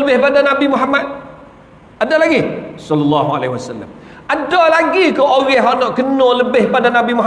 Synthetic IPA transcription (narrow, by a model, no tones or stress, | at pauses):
ləbɪhbadanabimuɦamat̪̚ | adalaɡisɔlɔlːɑɦua̰lehiwasalːa̰m | ʔadalaɡikoʔoɣɛɦɔʔnɔʔkənoləbɪhbadanabimuɦ